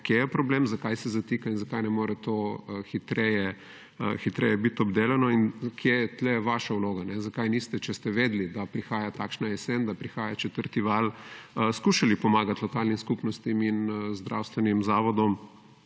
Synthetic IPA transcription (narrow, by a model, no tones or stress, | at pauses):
kjejɛpɾɔblemzakajsɛzat̪iːkainzakajnɛmoːɾɛt̪oxit̪ɾɛjɛ | xit̪ɾɛ̰jɛbit̪ɔbd̪eːlɛnɔinkʰjejɛt̪lɛʋaʃawloːɡanɛzakajnist̪ɛt͡ʃɛst̪ɛʋeːd̪lid̪apɾixaːjat̪aːkʃnaɛsɛnd̪apɾixaːjat͡ʃɛt̪əɾt̪iʋalskuːʃalipɔmaːɡat̪lɔkalnimskupnɔst̪iminzd̪ɾʔa̰wst̪ʋɛnimzaːʋɔd̪ɔm